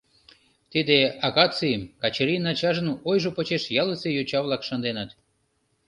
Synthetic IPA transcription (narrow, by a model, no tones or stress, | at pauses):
t̪id̪eɑɣɑt͡simkɑt͡ɕeɾʲinɑt͡ɕɑʒənojʒopot͡ɕeʃjɑləsejot͡ɕɑβlɑkʃɑnd̪enɑt̪